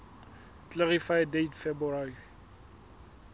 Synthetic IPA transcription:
klɛʁifajdejtfɛbuaɾi

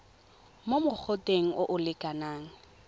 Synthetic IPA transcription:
momʊk͡xʰʊtʼeŋ̩ʔʊʔʊlɪkʼanaːŋ̩

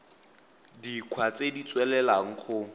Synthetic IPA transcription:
dikʰwat͡sedit͡swɛlɛlaŋ̩χʊ

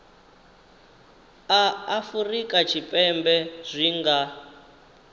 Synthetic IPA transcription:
aːfurikʼat͡ʃʰipʼɛmbɛz̥ʷiŋɡa

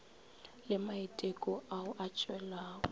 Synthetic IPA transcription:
lɪmaitʼekʼɔaʊʔat͡ʃʼwɛlaːwɔ

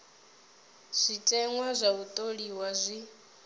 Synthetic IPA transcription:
z̥ʷit͡ʃʼɛŋwazʷaut̪ʼoɺiwazʷi

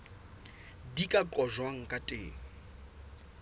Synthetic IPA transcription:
dikʼakʼɔʒwaŋ̩kʼatʼḛːŋ̩

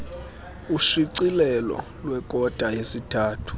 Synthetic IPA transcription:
uʃiǀilɛlɔ̰ | lwɛkʼɔd̥ʱajesitʰaːtʰu̥

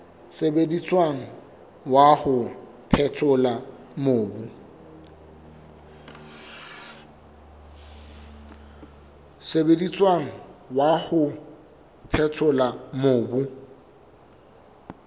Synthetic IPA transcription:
sebedit͡sʼwaŋ̩ | wahʊ | pʰɛtʰʊla | moːbʊ | sebedit͡sʼwaŋ̩wahʊ | pʰɛtʰʊlamoːbʊ

